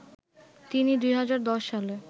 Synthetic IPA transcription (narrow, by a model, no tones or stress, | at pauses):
t̪inid̪ujɦad͡ʑaɾd̪ɔʃːale